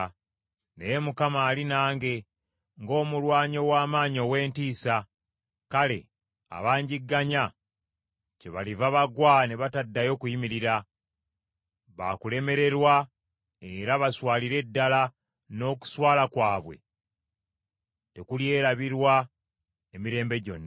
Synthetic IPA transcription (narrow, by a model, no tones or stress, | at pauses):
nejemukamaːlinaːŋɡe̞ | ŋɡo̞ːmulwaːɲo̞waːmaːɲo̞ːwe̞ːntiːsa | kale̞̰ | a̰βaːɲɟiɡːaɲa | ce̞βa̰livaβaɡwaneβatadːajo̞ːkujimiɾiɾa | βa̰kule̞me̞ɾe̞ɾwa | e̞ɾaβaswaːliɾe̞dːala | no̞ːku̥swaːlakwaːβwe̞̰ | te̞kulje̞ːɾaβiɾwa | emiɾe̞ːmbe̞ɟo̞̰nːa